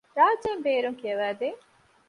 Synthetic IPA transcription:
ɾaːd͡ʒeːmbeːɾuŋkiɐʋæːd̪eː

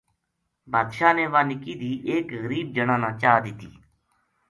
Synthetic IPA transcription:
baːd̪ʃaːneːʋãːnɪkiːd̪iːʔeːkɣəɾiːb̚d͡ʒəɳãːnãːt͡ʃaːd̪ɪːt̪ḭː

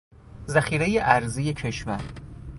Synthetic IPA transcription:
zæxiːɾejeʔæɾzijecʰeʃmæɾ

